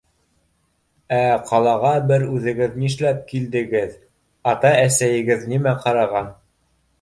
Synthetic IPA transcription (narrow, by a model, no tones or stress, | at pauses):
æqʰɑlˠɑʁɑbɘɾʉðɘ̆ɡɘðniʃlæp̚kild̪ɘ̆ɡɘð | ɑt̪ɑæsæjɘ̆ɡɘðnimæqɑɾɑʁɑn